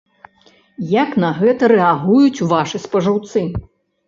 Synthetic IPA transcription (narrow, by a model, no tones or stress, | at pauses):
jaknɐɣɛt̪ɐɾɛaɣujut͡sʲuvaʂɨspɐʐɐwt̪sɨ